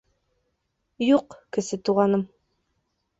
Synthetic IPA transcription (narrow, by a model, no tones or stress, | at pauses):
juqkɘ̆sɘt̪uʁɑnɤm